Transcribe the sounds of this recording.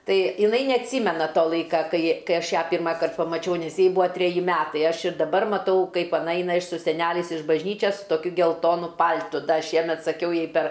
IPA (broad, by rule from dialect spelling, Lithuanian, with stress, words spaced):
ˈtɐɪ ɪˈnɐɪ nʲɛɐtʲˈsʲiːmʲɛnɐ ˈtoː ˈlˠɐɪkɐ ˈkɐɪ ˈkɐɪ ˈɐʃ ˈjæː ˈpʲɪrmɐkɐrt pɐmɐˈt͡ʃʲɛʊ nʲɛs ˈjɛɪ ˈbʊɐ tʲrʲɛˈjɪ ˈmʲæːtɐɪ ˈɐʃ ɪr dɐˈbɐr mɐˈtɐʊ ˈkɐɪp ɐˈnɐ ˈɛɪnɐ ɪʃ sʊ sʲɛˈnʲæːlʲɛɪs ɪʃ bɐʒʲˈnʲiːt͡ʃʲɛs sʊ toːˈkʲʊ ɡʲɛlˠˈtoːnʊ ˈpɐlʲtʊ ˈdɐ ˈʃʲiɛmʲɛt sɐˈkʲɛʊ ˈjɛɪ pʲɛr